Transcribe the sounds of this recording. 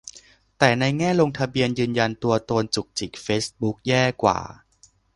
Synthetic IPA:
t̪ɛː˨˩na˧jŋɛː˥˩lo˧ŋt̪ʰa˧bi˧ənjɯː˧nja˧nt̪u˧ɐt̪oː˧nt͡ɕu˨˩k̚t͡ɕi˨˩k̚feː˦˥sbu˦˥k̚jɛː˥˩kwa̰ː˨˩

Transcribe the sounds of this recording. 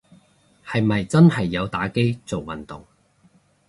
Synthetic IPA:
hɐ˨jmɐ˨jt͡sɐ˥nhɐ˨jːɐ˨˧wt̪aː˨˥ke˥jt͡so˨wwɐ˨˩nt̪ʊ˨ŋ

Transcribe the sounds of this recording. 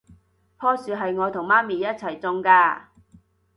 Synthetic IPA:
pʰɔː˥syː˨˧ɦɐ˨jŋɔː˨˧t̪ʰʊ˨˩ŋmaː˥miː˨jɐ˥t̚t͡sʰɐ˨˩jt͡sʊ˧ŋkaː˧

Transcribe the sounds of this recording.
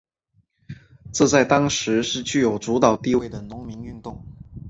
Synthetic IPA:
ʈ͡ʂɤ˥˧t͡sa˥˩ɪt̪ɑ˥ŋʂɻ̩˧˥ʂɻ̩˥˧t͡ɕy˥˩jo˨˩ʊt͡su˧˥t̪ɑ˨˩ʊt̪i˥˧we˥˩ɪd̪ə˩nʊ˧˥ŋmi˧˥ŋy˥˧nt̪ʊ˥˩ŋ

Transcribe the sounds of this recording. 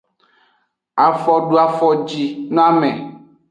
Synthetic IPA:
a˨fɔ˦ɖu˦a˨fɔ˦d͡ʑi˦nã˦mɛ̰̃˨

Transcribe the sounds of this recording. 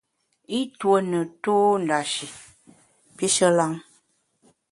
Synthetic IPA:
i˦twə˨nə˨to˦n˨da˨ʃi˨ | pi˦ʃə˦la˦ŋ

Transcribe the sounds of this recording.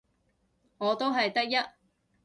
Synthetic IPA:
ŋɔː˨˧t̪o˥wɦɐ˨jt̪ɐ˥k̚jɐ˥t̚

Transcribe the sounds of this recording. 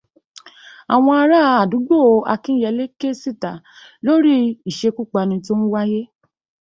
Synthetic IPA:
a˨w̃ɔ̃˧a˧ɾa˦˧a˨du˨˦ɡ͡bo˦˨˧a̰˧kĩ˦jɛ˧˦le˦ke˦si˦˨ta˨ | lo˦ɾi˦i˨ʃe˧ku˦k͡pa˧nĩ˧t̬i˦o˦nũ˦wa˦je˦

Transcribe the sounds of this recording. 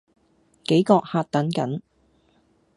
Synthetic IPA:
ke˨˥jkɔː˧k̚haː˧t̚t̪ɐ˨˥nkɐ˨˥n

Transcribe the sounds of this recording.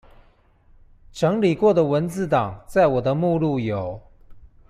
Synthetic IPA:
ʈ͡ʂɤ˧˥ŋli˨˩kwɔ˥˩d̪ə˩˨wə˧˥nt͡sɹ̩˥˩t̪ɑ˨˩ŋt͡sa˥˩ɪwɔ˨˩d̪ə˦mu˥˧lu˥˩jo˨˩˦ʊ

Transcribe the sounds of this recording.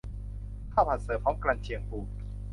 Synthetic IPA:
kʰa˥˩wpʰa˨˩t̪̚sɤː˨˩pʰɔː˦˥mkɾa˧nt͡ɕʰi˧əŋpuː˧˩

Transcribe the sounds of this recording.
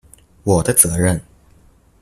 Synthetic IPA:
wɔ˨˩d̪ə˦t͡sɤ˧˥ɻə˥˨n

